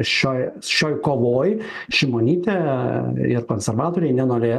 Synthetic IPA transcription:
ʃʲoːjʃʲoːjkoːʋoːj | ʃʲɪmoːnʲiːt̪ʲɛ | ɪɾkoːnʲsʲɛɾʋɑːt̪oːɾʲɛɪnʲɛnoːɾʲeː

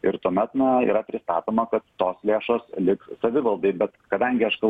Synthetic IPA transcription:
ɪɾt̪uɔmʲɛt̪nɐḭːɾɐpʲɾʲɪst̪ɑ̰ːt̪oːmɐkɐt̪ːoːslʲeːʃoːslʲɪksɐʋʲɪʋɐlˠd̪ɐɪbʲɛt̪kɐd̪ɐŋʲɡʲɪɐʃkɐlˠ

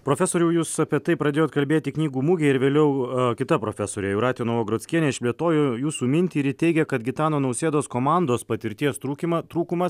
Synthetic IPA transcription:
pɾoːfʲɛsoːɾʲʊːjuːssɐpʲiɛt̪ɐɪpɾɐd̪ʲeːjoːt̪kɐlʲbʲeːt̪ʲɪknʲiːɡuːmʊɡʲɛɪɾʋʲeːlʲɛʊkʲɪt̪ɐpɾoːfʲɛsoːɾʲeːjɛʊɾɑːt̪ʲɪjoːnoːʋoːɡɾoːt̪sʲkʲiɛnʲɛɪʃpʲlʲiɛt̪oːjujuːsuːmʲɪnʲt̪ʲiːɪɾjɪt̪ʲɛɪɡʲɛkɐt̪ɡʲɪt̪ɑːnoːnɐʊsʲeːd̪oːskoːmɑnd̪oːspɐt̪ʲɪɾʲt̪ʲiɛst̪ɾuːkʲimɐt̪ɾuːkʊmɐs

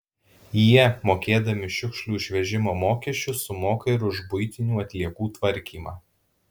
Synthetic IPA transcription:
jiɛmoːkʲeːd̪ɐmʲɪʃʲɪkʃlʲuːɪʃʲʋʲɛʒʲɪmoːmoːkʲɛʃʲt͡ʃʲʊsʊmoːkɐɪɾʊʒbʊɪt̪ʲɪnʲuːɐt̪ʲlʲiɛkuːt̪ʋɐɾʲkʲiːmɑː

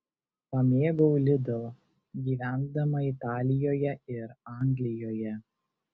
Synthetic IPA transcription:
pɐmʲeːɡoʊlʲɪd̪o | ɡʲiːʋʲæˑnd̪ɐmɐɪt̪ɑːlʲɪjoːjɛɪɾɑˑŋʲɡlʲɪjoːjɛ

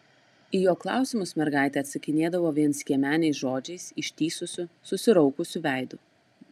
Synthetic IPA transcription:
ijoːklˠɑ̰ˑʊsʲɪmʊsmʲɛɾɡɑˑɪt̪ʲɛɐt̪sɐkʲɪnʲeːd̪ɐʋoːʋʲiɛnsɡʲiɛmʲæːnʲɛɪsʒoːd͡ʒʲɛɪsɪʃʲt̪ʲiːsʊsʲʊsʊsʲɪɾɔʊkʊsʲʊʋʲæˑɪd̪ʊ

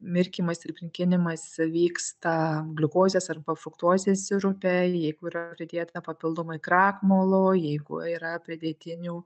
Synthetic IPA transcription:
mʲɪɾʲkʲiːmɐsɪɾpʲɾʲɪŋʲkʲɪnʲɪmɐsʋʲiːkst̪ɐɡlʲɪkoːzʲeːsɐrpɐfɾʊkt̪uɔzʲesʲɪɾʊpʲɛjɛɪɡʊiːɾɐpʲɾʲɪd̪ʲeːt̪ɐpɐpʲɪlˠd̪omɐɪkɾɑːkmoːlˠoːjɛɪɡʊ̰iːɾɐpʲɾʲɪd̪ʲeːt̪ʲɪnʲuː

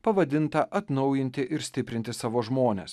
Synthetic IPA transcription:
pɐʋɐd̪ʲɪnt̪ɐʔɐt̪nɒʊjɪnʲt̪ʲɪʔɪɾsʲt̪ʲɪpʲɾʲɪnt̪ʲɪsɑːʋoːʒmoːnʲḛːs

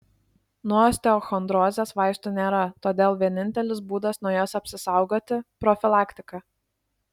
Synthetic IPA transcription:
nuɔsʲt̪ʲɛɔxɔnd̪ɾoːzʲeːsʋɑˑɪʃt̪unʲeːɾɐt̪oːd̪ʲeːlˠʋʲiɛnʲɪnʲt̪ʲɛlʲɪs̬buːd̪ɐsnuɔjoːsɐpʲsʲɪsɑˑʊɡoːt̪ʲɪpɾɔfʲɪlˠɑːkt̪ʲɪkɐ

